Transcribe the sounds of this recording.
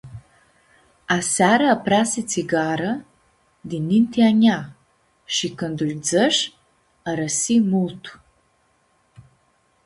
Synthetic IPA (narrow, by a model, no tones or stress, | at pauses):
asaɾəːpɾasit͡siɡaɾə | d̪inːint̪ʰiaɲʲa | ʃikɨnd̪ulʲd͡zəʃ | aɾəsimult̪ʰu̥